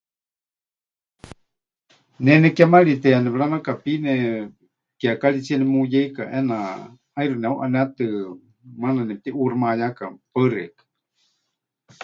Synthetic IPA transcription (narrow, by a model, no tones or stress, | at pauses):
nɛnɛkamaɺit̪ɛanɛβɺanakapinɛ | kiakaɺit͡siɛnɛmujɛikaʔɛna | ajɾunɛuʔanɛt̪ɨ | mananɛt̪iʔuɾmajakapərɛ̰kḁ